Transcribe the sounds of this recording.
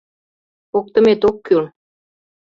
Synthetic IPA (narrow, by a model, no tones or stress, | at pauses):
ok̚t̪ə̆met̪okːyl